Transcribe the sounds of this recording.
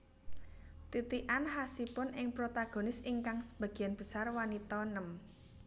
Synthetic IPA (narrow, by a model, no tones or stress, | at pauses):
t̪it̪iʔanhasipʊnʔɪŋpɾot̪aɡ̥o̤nɪsiŋkaŋsə̥b̥a̤ɡ̥i̤anb̥əsarwanit̪ɔnəm